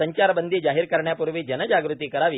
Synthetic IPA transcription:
əɲt͡ɕaɾbənd̪ʱiːd͡ʑaɦiːɾkəɾɳjapuɾʋiːd͡ʑənəd͡ʑaɡɾut̪iːkəɾaʋiː

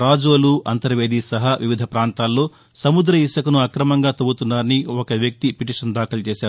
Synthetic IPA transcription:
ɾaːd͡ʒoːluɐnt̪ɐɾʋe̞ːd̪iːsɐɦɐʋʔiʋid̪ʱɐpɾaːnt̪aːlːo̞ː | sɐmud̪ɾɐiʂɐkɐnuɐkɾɐmɐŋɡaːt̪ɐbut̪unːaːɾɐniɔkɐʋjɐk̚t̪ipiʈiːʂɐnd̪aːkɐlɐt͡ʃeːʃaːɾu

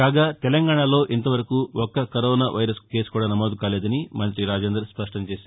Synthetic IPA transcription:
kaːɡaːt̪ɛlɐŋɡaːɳalo̞ːʔint̪ɐʋɐɾɐkuːɔkːɐkɐɾɔːnaːʋɐjɾɐske̞ːskuːɽaːnɐmoːd̪ukaːleːd̪ɐnimɐnt̪ɾiɾaːd͡ʒeːnd̪ɾɐɾspɐʂʈɐɲt͡ʃeːsaː

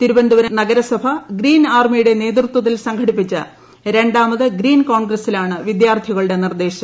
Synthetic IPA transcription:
t̪iɾubɐnd̪uʋɐɾnɐɡɐɾɐsɐbʱɐɡriːnaːrmijuɽe̞ne̞ːd̪rut̪wɐt̪̬ːilsɐŋɡʰʱɐɽipːit͡ɕːɨ̰ | ɾe̞ɳɖaːmɐðɨɡriːnkoːɳɡrɐsilaːɳɨʋid̪jaːrt̪ʰiɣɐɭɨɽe̞nird̪e̞ːɕɐm

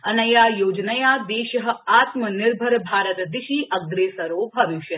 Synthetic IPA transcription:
ɐnɐjaːjoːd͡ʒnɐjad̪eːʃɐɦɐ̆aːt̪mənɪɾbʱɐɾbʱaːɾət̪d̪ɪʃiːʔɐɡɾeːsɐɾoːbʱɐʋiʃjɐ

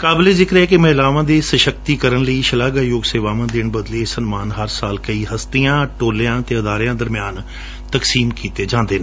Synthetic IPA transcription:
kaːbleːzɪkɾɛːkɪmɛ̃ːlaːʋãːd̪eːsəʃəkt̪iːkəɾənləiːʃəlaːɡaːjoːɡseːʋaːʋãːd̪ɪɳbəd̪leːsənmaːnɦəɾsaːlkəiːɦəst̪ijãːʈoːljãːt̪eːəd̪aːɾjãːd̪əɾmɪjaːn | t̪əksiːmkiːt̪eːd͡ʒãːnd̪eːnː

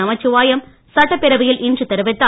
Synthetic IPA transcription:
ɐmɐt͡ʃːɯʋaːjɐm | sɐʈːɐpːɪɾɐʋɯjɪlʔɪndrɯt̪ːɛɾɯʋɛt̪ːa

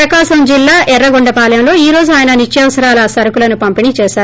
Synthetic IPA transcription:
ɾɐkaːʃɐmd͡ʒilːaːʔɛrːɐɡoɳɖɐpaːlɐjɐmlo̞ːiːɾo̞ːd͡ʒuaːjɐnɐnit͡ʃjɐʋɐsɐɾaːlɐsɐɾɐkulɐnupɐmpinit͡ʃɛːsaːɾ

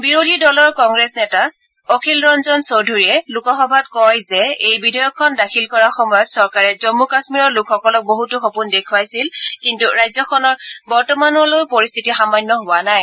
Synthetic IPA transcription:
biɹodʱidɔlɔɹkɔŋɡɹɛsnɛta | okʰilɹɔnzɔnsowdʱuɹiɛlukɔxɔbʱat̚kɔjzɛejbidʱɔjɔkʰːɔndakʰilkɔɹaxɔmɔjɔtsɔɹkaɹɛzɔmːukasmiɹɔɹlʊkʰxɔkɔlɔk̚boɦutʊxɔpundekʰuwajsilkintuɹajzɔkʰɔnɔɹbɔɹtɔmanɔlojpoɹist̪ʰitixamanːɔɦowanaj

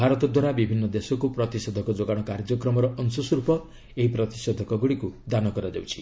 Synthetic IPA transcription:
bʱaɾɔt̪ɔd̪waɾabibʱinːɔd̪esɔkupɾɔt̪isɔd̪ʱɔkɔd͡ʒoɡaɽ̃ɔkaɾd͡ʒɔkɾɔmɔɾɔʔɔnsɔsɔɾupɔ | eɦipɾɔt̪isɔd̪ʱɔkɔɡuɽikud̪anɔkɔɾad͡ʒawt͡ʃʰi̥

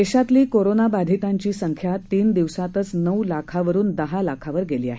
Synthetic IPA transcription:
eɕat̪liːkoɾonabad̪ʱit̪aɲt͡ɕiːsəŋkʰjat̪iːnd̪iʋsat̪ət͡snəwlakʰaʋəɾuːnd̪əɦalakʰaʋəɾɡeliːaɦe

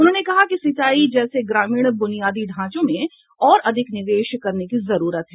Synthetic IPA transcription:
ʊn̤ɦõːnekɐɦakisɪt̪aːid͡ʒɛːseɡɾaːmiːɽ̃bʊnijaːd̪iɖʱãːt͡ʃõmẽ | ɔːɾɐd̪ʱɪknɪʋeːʃkɐɾnekizɐɾuːɾət̪ɦɛː

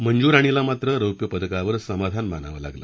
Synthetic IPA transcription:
məɲd͡ʑuːɾaɽ̃ilamat̪ɾəɾəwpjəpəd̪əkaʋəɾsəmad̪ʱanməna̰ʋə̰la̰ɡlə̰ː

